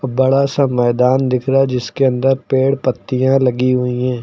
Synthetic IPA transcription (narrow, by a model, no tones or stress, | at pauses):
bɐɽasamɛːd̪aːnd̪ɪkʰɾad͡ʒɪskeɐ̃nd̪əɾpeːɽpət̪ːijãlɐɡiɦʊiɦɛ̃ː